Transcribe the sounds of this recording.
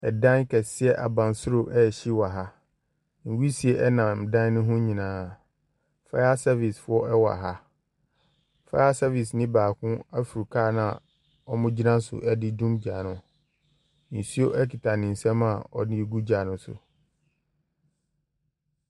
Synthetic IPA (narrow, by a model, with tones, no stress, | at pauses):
ɛ˨dã˦nkʰɛ˨sɪ˦ɛ˦ʔa̰˨bã˨n˦sʊ˦ɾo˨ʔɛ˦˨ɕi˦wa˨ɦa˦ | n̩˨wi˦si˨e˦ʔɛ˦nã˨m˨dã˦n˦nʊ̃˦ɦʊ̃˦ɲĩ˨nãː˨˦˨ | fa˦a˦sa˦vi˨sfʊ˦ɔ˦ʔɛ˦wɔ˨a̰˨ɦa˦ | fa̰˦a˦sa˦vi˨s̬nɪ̃˦baː˨kʰʊ̃˦a˦fi˨ɾu˨kʰaː˦˨nã˨ | ɔ˦mʊ̃˦d͡ʑi˦nã˦sʊ̰˨ʔɛ˦dɪ˦dũ˦md͡ʑa˨nʊ̃˨ | n̩˨si˦o˦ʔɛ˦kʰi˨tʰa˨nɪ̃˨n̩˨sɛ̃˦ma˨ɔ˨nɪ̃˦ɡu˦d͡ʑa˨nʊ̃˦sʊ̰˨